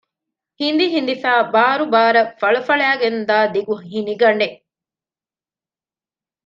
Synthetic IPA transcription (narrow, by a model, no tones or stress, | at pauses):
hind̪iɦind̪ifæːbaːɾubaːɾɐfɐɭɐfɐɭæːɡend̪aːd̪iɡuɦiniɡɐnːe